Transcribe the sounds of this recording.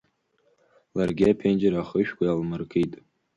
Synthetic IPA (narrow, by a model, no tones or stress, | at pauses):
larɡʲɪapʰend͡ʒeɾaχəʃᶣkʷajalmɨrkʰijtʼ